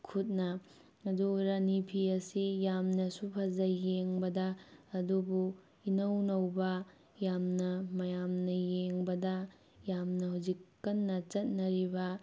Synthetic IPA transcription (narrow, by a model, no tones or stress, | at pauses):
kʰut̚nɐ | ɐduɾanipʰiɐsijamnɐsupʰɐzɐjeŋbɐdɐːdubu | inɐwnɐwbɐ | jamnɐmɐjamnɐjeŋbɐdɐ | jamnɐɦawzikːɐnːɐt͡ʃɐt̚nɐɾibɐ